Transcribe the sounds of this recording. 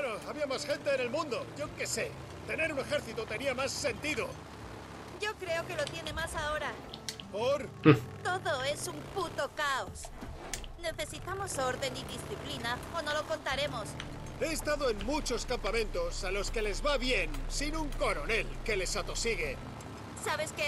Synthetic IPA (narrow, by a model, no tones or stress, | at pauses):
noaβiamasxe̞nt̪e̞ːne̞lmũnd̪o̞ʝo̞ke̞se̞ | t̪e̞ne̞ɾune̞xe̞ɾθit̪ot̪e̞niamasːe̞nt̪iðo | ɟ͡ʝo̞kɾe̞oke̞lo̞t̪je̞ne̞masao̞ɾa | poɾt̪o̞ðo̞e̞sumput̪o̞kaos | ne̞θe̞sit̪amo̞so̞ɾðe̞niðisθiplinaono̞lo̞ko̞nt̪aɾe̞mo̞s | e̞ːst̪aðo̞e̞nmut͡ʃo̞skampamẽ̞nt̪o̞salo̞ske̞le̞zβaβje̞nsinuŋko̞ɾo̞ne̞lke̞le̞sat̪o̞siɣ̞e | saβe̞ske